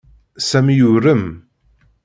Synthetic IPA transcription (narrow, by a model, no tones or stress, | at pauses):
sæmjʊɾəm